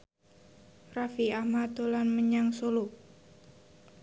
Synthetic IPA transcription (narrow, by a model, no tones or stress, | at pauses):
rafiamat̪olanməɲaŋsolu